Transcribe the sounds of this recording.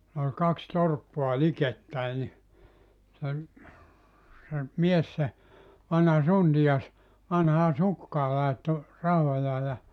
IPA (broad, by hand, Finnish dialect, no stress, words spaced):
ol kɑks torpːoɑ liketːæi ni sen se mies se ʋɑnhɑ suntijɑs ʋɑnhɑː sukːɑː lɑetːo rɑhojɑː jɑ